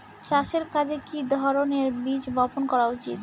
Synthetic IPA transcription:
t͡ɕaʃeɾkad͡ʑʱekid̪ʱɔɾoneɾbit͡ɕbɔponkɔɾaut͡ɕḭt̪

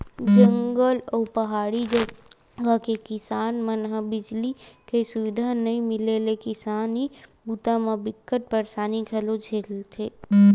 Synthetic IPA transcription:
d͡ʒə̃ŋɡəlɔːpəɦaːɽid͡ʒə | ɡakekɪsaːnmənɦəbɪd͡ʒlikesʊʋɪd̪ʱanəɦĩmɪlelekɪsaːnibuːt̪amabɪkːət̪̚pəɾsaːnikʰəlod͡ʒʱeːlt̪ʰeː

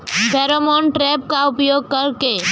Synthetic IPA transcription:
d̪ʱəɾomoɳʈɾeːpkaʊpjoːɡ̚kɐɾke

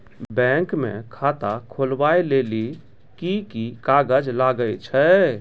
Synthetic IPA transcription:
bɛ̃ŋkmḛ̃kʰat̪akʰolbaeleli | kikikaɡəd͡ʒlaɡəjt͡ʃʰə

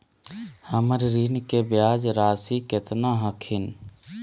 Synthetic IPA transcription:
həməɾɾiːnkebjaːd͡ʒɾaːsikɪt̪naɦəkʰɪn

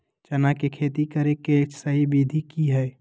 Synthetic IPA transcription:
t͡ʃɐnakekʰeːt̪ikəɾeket͡ʃsəɦibiːd̪ʱikiɦɛ

